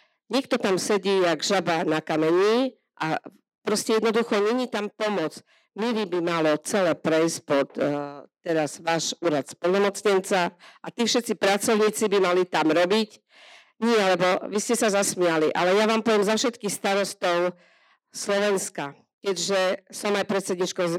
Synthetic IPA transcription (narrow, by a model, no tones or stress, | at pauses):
ɲɛk̚t̪ɔt̪amsɛɟiːaɡʒabanakamɛɲiː | ʔa̰ | pɾɔscɛjɛd̪nɔd̪uxɔɲɛɲit̪ampɔmɔt͡s | miʋibimalɔt͡sɛlɛːpɾɛjspɔt̪ː | ɛɾazʋaːʃuːɾat̪spɔlnɔmɔt͡sɲɛnt͡saʔat̪iːfʃɛt̪t͡sipɾat͡sɔʊɲiːt͡sibimalit̪amɾɔbic | ɲɪɛlɛbɔʋiscɛsazasmɪaliʔa̰lɛjaʋaːmpɔʋjɛmzafʃɛt̪kixst̪aɾɔst̪ɔʊ | slɔʋɛnska | kɛɟʒɛsɔmajpɾɛt̪sɛd̪ɲiːt͡ʃkɔz